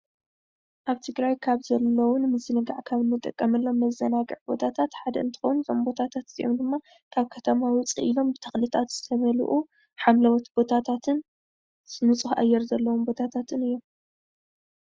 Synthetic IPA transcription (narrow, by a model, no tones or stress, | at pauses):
ʔaβt̪ʰɨɡɾajkʰaβzɐlːɐwʊnmɨzɨnɨɡaʕkʰaβɨnːɨt̪ʼɐkʼːɐmɐlːo̞mːɐzːɐnaɡɨʕbo̞̰t̪ʰat̪ʰat̪ħad̪ɐʔɨnt̪ʰɨ̥xɐwnzʰombo̞t̪ʰat̪ʰat̪zḭʔomd̪ɨmːa | kʰaβkʰɐt̪ʰɐmawʊt͡sʼḭʔilo̞mbɨt̪ʰɐ̥xlit̪ʰat̪z̥ɨt̪ʰɐβɐlṵʔu | ħamlɐwɐt̪b̥o̞t̪ʰat̪ʰat̪ʰɨn | sɨnut͡sʼuxa̰jːɛɾzɐlːɐwombo̞t̪ʰat̪ʰat̪ʰɨnɨjːom